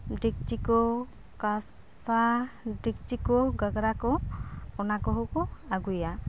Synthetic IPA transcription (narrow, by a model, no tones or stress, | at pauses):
ɖik̚t͡ʃikɔ | kasadik̚t͡ʃikɔɡaɡɾakɔɔnakɔɦokɔaɡuja